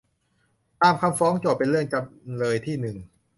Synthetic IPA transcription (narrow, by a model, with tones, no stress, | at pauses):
t̪aː˧mkʰa˧mfɔː˦˥ŋt͡ɕo˨˩p̚pe˧nlɯ˥˩əŋka˧mlɤː˧jt̪ʰiː˥˩nɯ˨˩ŋ